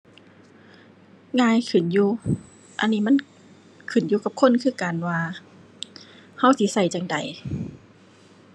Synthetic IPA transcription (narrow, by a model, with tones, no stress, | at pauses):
ŋaː˧˨jkʰɯ˨˩˨njuː˧ | ʔa̰˧˨nːiː˧˨ma˧˥˨n | kʰɯ˨˩˨njuː˧ka˧˦p̚kʰo˧˥˨nkʰɯː˧˩˨kaː˨nwaː˧ | ha˧˩˨wsi˧˦sa˧˩jt͡ɕa˧ŋda̰˨˩j